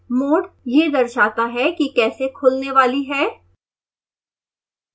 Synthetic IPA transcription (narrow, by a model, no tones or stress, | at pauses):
moːɖjed̪ɐɾʃaːt̪aɦɛkikɛːsekʰʊlneʋaːliɦɛː